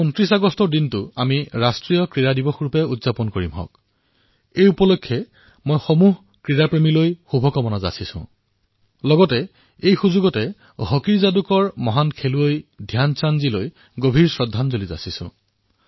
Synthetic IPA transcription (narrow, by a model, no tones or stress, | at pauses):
ɔntɹisaɡɔstɔdintʊamiɹastɹijɔkɹiɹadibɔxɹupɛudzapɔnkoɹimɦɔ̰k | ejupɔlokʰːjɛ | mojxomuɦ | kɹiɹapɹemilojxubʱɔkɔmɔnaza̰sisʊ̰̃ | lɔɡɔtɛ | ejxuzuɡɔtɛ | ɦɔkiɹzadukɔɹmɔɦankʰeluejdʱjansanziloj | ɡobʱiɹsɹɔdʱːanzoliza̰sisʊ̰̃